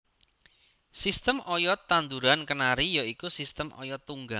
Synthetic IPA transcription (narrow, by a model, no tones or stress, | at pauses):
sist̪əmʔɔjɔt̪and̪uɾankənaɾijɔikusist̪əmʔɔ̰jɔt̪uŋɡa